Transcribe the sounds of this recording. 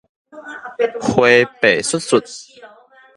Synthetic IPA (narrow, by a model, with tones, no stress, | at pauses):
hwe˧pe˨˩su˥t̚su˨˩t̪̚